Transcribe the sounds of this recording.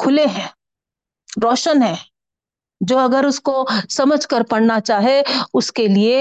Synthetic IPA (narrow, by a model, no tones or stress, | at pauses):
kʰʊleɦɛ̃ː | ɾɔːʃənɦɛ̃ː | d͡ʒoːɐɡəɾʊskosɐməd͡ʒʱkəɾpɐɽnat͡ʃaːɦeʊskelie